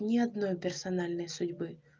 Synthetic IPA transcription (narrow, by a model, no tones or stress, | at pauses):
nʲɪɐd̪nojpʲɪrsɐnalʲnəjsʊdʲbɨ